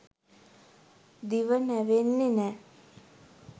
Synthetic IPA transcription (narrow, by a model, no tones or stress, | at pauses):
d̪iʋənæʋenːenɛː